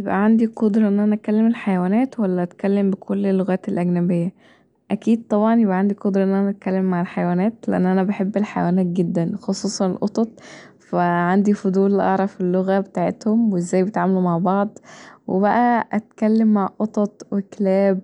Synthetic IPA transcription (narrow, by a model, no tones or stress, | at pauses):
jebʔæ̰ʕand̪iqod̪ɾˤɑʔenːʔænæʔæt̪kælːemelħajæwæːnæːt̪wælːæʔæt̪kælːembekʰolːelːoɣæːt̪elʔæɡnæbejːæ | ʔækiːd̪̚t̪ˤɑbʕɑnjebʔæʕand̪iqod̪ɾˤɑʔenːʔænæʔæt̪̚kælːemːaʕelħajwæːnæːt̪leʔæ̰nːʔænæbeħebːelħajæwæːnæːt̪̚ɡed̪ːænxosˤuːsˤɑnelʔot̪ˤɑt̪̚ˤ | fæʕand̪ifod̪ˤuːlːʔɑʕɾˤɑfelːoɣæbet̪aːʕet̪homweezːæːjbet̪ʕaːmælumaʕbɑʕd̪ˤwebæʔæʔæt̪kælːemːaʕʔot̪ˤɑt̪ˤweklæːb̚